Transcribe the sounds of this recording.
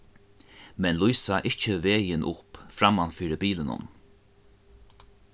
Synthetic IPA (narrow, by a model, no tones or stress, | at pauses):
mɛnlujsaʔɪht͡ʃəʋeːjɪnʔʊpfɾamanfiːɾɪbiːlɪnʊ̰n